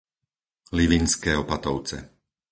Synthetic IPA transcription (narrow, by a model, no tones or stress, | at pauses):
liʋinskɛːɔpat̪ɔʊt͡sɛ̰